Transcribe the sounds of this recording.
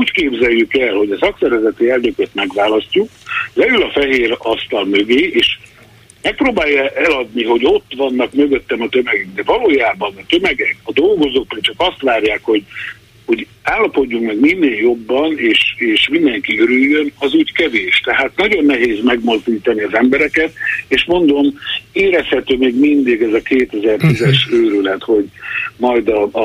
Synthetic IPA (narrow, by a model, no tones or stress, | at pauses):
uːckeːbzɛjːykɛlho̞ɟɒsɒksɛɾvɛzɛt̪iɛlnøkøt̪mɛɡʋaːlɒscuklɛylɒfɛɦeːɾɒst̪ɒlmø̞ɡeːeːʃ | mɛk̚proːbaːjːɛʔɛlɒd̪niɦo̞ɟo̞t̪ːʋɒnːɒkmø̞ɡø̞t̪ːɛmɒt̪ø̞mɛɡyŋd̪ɛvɒloːjaːbɒnɒt̪ø̞mɛɡɛkɒd̪o̞lɡo̞zoːk̚bɒt͡ʃɒkɒst̪ʋaːrjaːkho̞ɟ | ho̞ɟaːlːɒpo̞ɟːuŋkmɛɡminːeːljo̞bːɒneːʃeːʃmind̪ɛŋkiøɾyjːønɒzuːckɛveːʃt̪ɛɦaːt̪nɒɟo̞nːɛɦeːzmɛɡmo̞zd̪iːt̪ɒniɒzɛmbɛɾɛkɛt̪eːʃmo̞nd̪o̞meːɾɛshɛt̪øːmeːɡmind̪iɡɛzɒkeːt̪ɛzɛrt̪izɛʃøːɾylɛt̪ho̞ɟmɒjd̪ɒ